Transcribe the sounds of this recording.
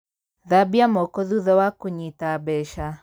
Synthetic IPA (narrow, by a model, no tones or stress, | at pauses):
ðabiamɔkɔðuðɔwakuɲitabɛʃa